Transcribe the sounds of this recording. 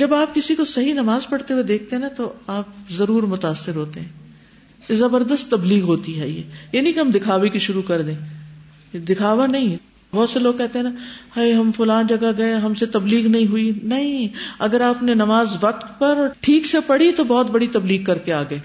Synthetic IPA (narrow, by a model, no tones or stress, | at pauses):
d͡ʒɐbaːp̚kɪsikosɐɦinɐmaːzpɐɽ̤t̪ewed̪eːk̚ʰt̪eɦɛ̃nat̪oaːp̚zɐɾuːɾmʊt̪aːsːɪɾɦoːt̪eɦɛ̃ː | jezɐbəɾd̪əst̪ːɐbliːɣɦoːt̪iɦɛ̰ːjɛ̰ːjaːnĩkeɦɐ̃md̪ɪkʰaːʋekiʃʊɾukɐɾd̪ẽː | d̪ɪkʰaːʋanɐɦĩ | bɔːt̪seloːɡ̚kɛɦt̪eɦɛ̃nahaiɦɐmfʊlaːnd͡ʒɐɡaɡɐeɦɐmset̪ɐbliːɣnɐɦĩɦʊinɐɦĩɐɡəɾaːpnenɐmaːzʋɐk̚t̪pɐɾɔːɾʈʰiːksepɐɽ̤it̪obɔːt̪̚bɐɽit̪ɐbliːɡkɐɾkeaːɡɐeː